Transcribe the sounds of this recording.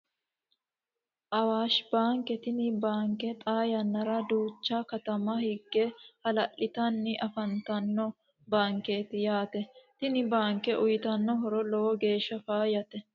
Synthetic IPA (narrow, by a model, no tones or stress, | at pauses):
ʔɐwaːʃbaːŋkɛt̪ɪnɪbaːŋkɛt̪ʼaːjɐnːɐɾɐd̪uːt͡ʃːaːkɐt̪ɐmɐhɪɡːɛhɐlɐʔɪt̪ɐnːɪʔɐfɐnt̪ɐnːɔ | baːŋkeːt̪ɪjaːt̪ɛt̪ɪnɪbaːŋkɛʔʊjɪt̪ɐnːɔɦɔɾɔlɔwɔɡe̞ːʃːɐfaːjɐt̪ɛ